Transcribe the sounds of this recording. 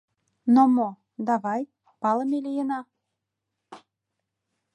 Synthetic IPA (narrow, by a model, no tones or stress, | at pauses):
nomo | d̪ɑβɑj | pɑlə̆melijənɑ